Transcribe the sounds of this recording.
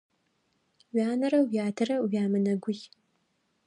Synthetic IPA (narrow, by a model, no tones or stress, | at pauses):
ɥʷaːnɐɾɐwjaːtʰɐrɐwjaːmɨnɐɡʷʊj